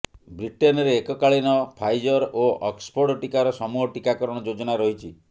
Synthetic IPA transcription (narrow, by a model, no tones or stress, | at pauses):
bɾiʈenɔɾeːkɔkaɭinɔpʰajd͡ʒɔɾoɔkspʰoɾɽɔʈikaɾɔsɔmuɦɔʈikakɔɾɔɽ̃ɔd͡ʒod͡ʒɔɽ̃aɾɔɦit͡ʃʰi